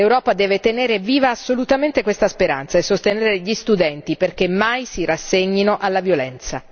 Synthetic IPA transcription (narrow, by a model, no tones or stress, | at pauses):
lewɾɔːpad̪ɛːvet̪eneːɾeviːvaːsːolut̪ament̪ekwest̪aspeɾa̰nt̪saesːost̪eneːɾeʎist̪ud̪ɛnt̪iperk̟emːajsirasːeɲːinoʔalːavjolɛnt̪sa